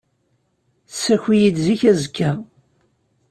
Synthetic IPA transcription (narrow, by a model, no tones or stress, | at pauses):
sːæçijid̪ziçæzkʰːæ